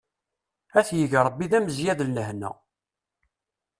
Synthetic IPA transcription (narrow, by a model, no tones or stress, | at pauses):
æθjəʝɾˤəbːiðæməzjæðəlnəhnæ̰